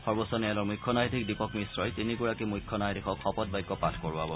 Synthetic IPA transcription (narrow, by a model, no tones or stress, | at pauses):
xɔɹbɔsɔnɛjalɔɹmujkʰːɔnajdʰʱik̚dipɔkmisɹɔjtinikuɹakimujkʰːɔnajtʰikʰɔkʰːɔpɔt̚bajkːɔpatʰkɔɹuabɔ